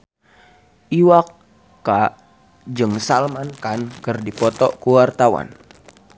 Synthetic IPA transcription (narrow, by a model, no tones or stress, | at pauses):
ʔiwakː | a | d͡ʒɨŋsalmankankɨrdipɔt̪ɔkuwart̪awa̰n